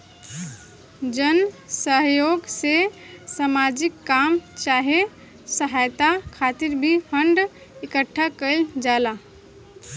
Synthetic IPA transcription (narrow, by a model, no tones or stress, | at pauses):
d͡ʒənsəɦjoɡsesamad͡ʒikːamt͡ʃaɦe | səɦajt̪akʰat̪iɾbʱipʰəɳɖ | ɪkəʈʰːakəld͡ʒala